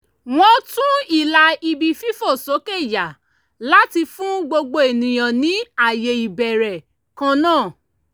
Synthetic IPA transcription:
w̃ɔ̃˧tũ˦i˦˨la˧i˧bi˧fi˦fo˦˨so˨˦ke˦˨ja˨ | la˦ti˧fũ˦ɡ͡bo˧ɡ͡bo˧e˨nĩ˨j̃ã˨nĩ˨˦a˦˨je˨i˨bɛ˨ɾɛ˨ | kã˧nãː˦˨

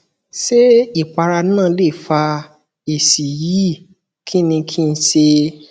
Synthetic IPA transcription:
ʃe˦i˦˨k͡pa˧ɾa˧nã˦˨˦le˦˨fa˧ | e˨si˨ji˨˦˨ | kʰi˦nĩ˧kʰi˦˧n̩˧˦ʃe˧

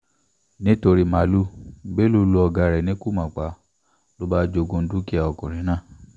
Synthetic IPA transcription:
nĩ˦to˧ɾi˨˧ma˨˦lu˦be˦lu˦lu˧˦ɔ˧ɡa˧ɾɛ˨nĩ˦ku˦˨mã˨k͡pa˨˧˦ | lo˦ba˦d͡ʒo˧ɡõ˧n̩˦du˦ki˦a˧˨ɔ˨kɔ̃˨ɾ̃ĩ˨˦nãː˦˨

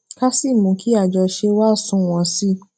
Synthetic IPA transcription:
ka˦si˦˨mũ˨˦kʰi˦a˦˨d͡ʒɔ˧ʃe˧wa˦˨sũ˨˦˨w̃ɔ̃˧si˦

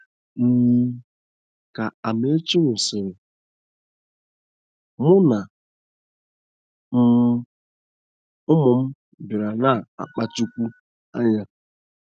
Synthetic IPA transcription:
m̩˨ | ka˨a˨m˦e˦t͡ʃi˦ŋʷʊ˨sɪ˨ɾɪ˨ | mʊ˦na˨ | m̩˦ | ʊ˦mʊ˨m̩˦ | bɪ˨ɾa˨na˦˨a̰˨k͡pa˦t͡ʃu˦kʷu˦ | a˦ɲa˦

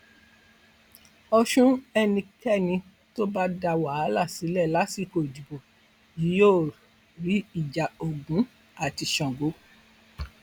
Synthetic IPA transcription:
ɔ˧ʃũ˦ɛ˧nĩ˧kɛ˦˨nĩ˧ | to˦ba˦da˧wa˨˦la˦˨si˨˦lɛ˦˨la˨˦si˦˧˨ko˨di˨bo˨ | ji˨˦jo˦˨ | ɾi˨˦i˦˨d͡ʒa˨o˨ɡũ˨˦ | a˦˨ti˧ʃɔ̃˨ɡo˨˦

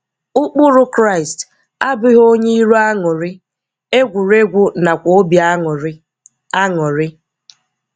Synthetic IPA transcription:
ʊ˦k͡pʊ˦ɾʊ˦kɾa˦˨ɪ˨st | a˦bɪ˦ɦo˦ɲe˦i˦ɾu˦a˦ŋʊ˨ɾɪ˦ | e˦ɡʷu˨ɾe˦ɡʷʊ˦na˨kʷo˦bja˦˨˦ | a˦ŋʊ˨ɾɪ˦

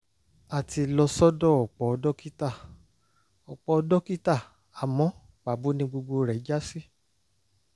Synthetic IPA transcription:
a˨ti˧lɔ˧sɔ˦dɔ˦˨ɔ˨k͡pɔ˨˧dɔ˦ki˦ta˦˨ | ɔ˨k͡pɔ˧dɔ˦ki˦ta˦˨ | a˨mɔ̃˨˦ | k͡pa˨bu˨˦nĩ˧˦ɡ͡bo˧ɡ͡bo˧ɾɛ˨i˦d͡ʒa˦si˦

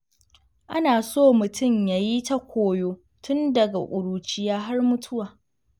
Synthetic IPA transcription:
ʔa˦naː˨soː˦˨mʊ˨tʰʊ˦˨mjaː˨ji˦ta˦kʷoː˨joː˦ | tʊ˦ndɐ˨ɡa˨ʔʷʼʊ˨ɽuː˨t͡ʃɪ˦jaː˦ɦa˦rmʊ˦tʰʊ˦waː˨

